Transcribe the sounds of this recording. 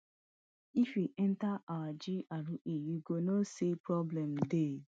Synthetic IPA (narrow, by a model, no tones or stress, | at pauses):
ifwiʔɛntaawad͡ʒiʔaɾuʔejiɡonosepɾɔblɛm̩de